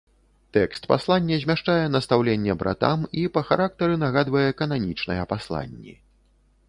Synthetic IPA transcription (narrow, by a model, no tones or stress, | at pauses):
t̪ɛkst̪pa̰slˠanʲːɛzʲmʲaʂt͡ʂajɛnɐst̪awlʲenʲːɛbɾʔa̰t̪a̰mipɐxaɾak̚t̪ɐɾɨnaɣad̪vɐjɛkɐnamʲit͡ʂnɐjɛpaslˠa̰nʲːḭ